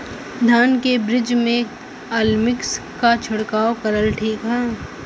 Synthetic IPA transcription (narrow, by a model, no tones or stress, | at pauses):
d̪ʱaːnkebɾɪd͡ʒmẽ | aːlmɪkskat͡ʃʰʊɽkaːokɐɾəlʈʰiːkɦɛː